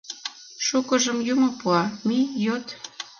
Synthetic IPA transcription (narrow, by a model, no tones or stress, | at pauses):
ʃukə̆ʒəmjumopuɑmijot̪